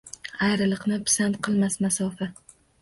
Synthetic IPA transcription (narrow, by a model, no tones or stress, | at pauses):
ajɾɪlˠɨqnɪpʰsant̪̚qʰɨlˠmasmasɒfa